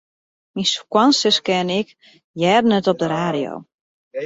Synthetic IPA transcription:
minsu̥kwansəskɪnɪk | jɛːdən̩ətɔp̚dəɾaːɾijo̰w

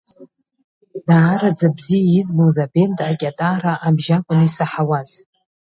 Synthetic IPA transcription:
daːɾad͡zabzijaizbowzabe̞ntʼakʲʼatʼaɾaʔabʒakʷʼʊnɨisaħawaz̥

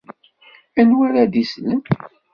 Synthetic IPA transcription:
ænwæɾad̪islən

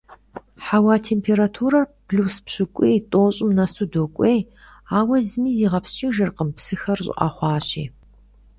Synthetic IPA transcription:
ħawaːtʰeːmpʰeːɾatʰuːɾɐrpʰluːspɕɪkʷʼiːtʼoːɕʼɪmnɐsʰudoːkʷʼeːj | aːwɐzɨmiːziːʁɐpst͡ʃʼiːʒɐrqəmpsɨxɐrɕʼɪ̰ʔʼɐ̰χʷɑːɕḭː

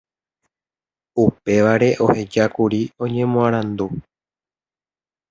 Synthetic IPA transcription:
upe̞ʋaɾe̞ʔo̞he̞d͡ʒakuɾiõ̞ɲẽ̞mõãɾ̃ãnd̪u

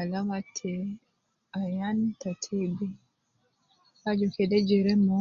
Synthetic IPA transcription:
alaŋatʰːɛ | ajantatʰibi | ad͡ʒɔkɛdɛd͡ʒɛɾɛmɔ

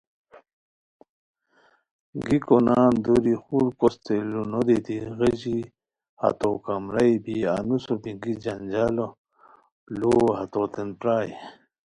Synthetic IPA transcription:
ɡikonaːnd̪uɾixuɾkost̪elunod̪it̪iɣed͡ʑi | ha̰t̪okamɾajbianusopiŋɡid͡ʑand͡ʑalo | lohat̪ot̪enpɾaːj

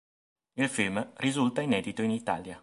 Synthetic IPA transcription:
ilfilmrizult̪ainɛːd̪it̪oinit̪a̰ːlja

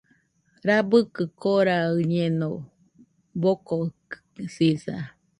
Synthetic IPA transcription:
ɾabɨkɨkoɾaɯɲeno | bokok | sisa̰

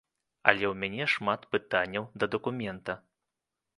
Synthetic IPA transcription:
ɐ̰lʲɛwmʲanʲɛʂmat̪pɨt̪anʲːɐwd̪ɐd̪ɐkumʲɛnt̪ɐ

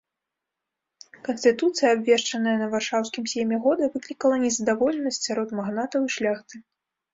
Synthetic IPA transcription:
kɐnsʲt̪ɨt̪ut̪sɨjɐabʲvʲɛʂt͡ʂɐnəjɐnɐvarʂawskʲimsʲɛmʲɛɣɔd̪ɐvɨklʲikɐlˠɐnʲɛzɐd̪avɔlʲɛnɐsʲtʲt͡sʲsʲaɾɔt̪maɣnat̪ɐwiʂlʲaxt̪ɨ

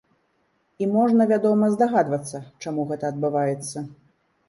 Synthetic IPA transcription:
imɔʐnɐvʲad̪ɔmɐzd̪aɣad̪vɐt̪sːɐt͡ʂamuɣɛt̪ɐːd̪bɨvajɛt̪sːɐ

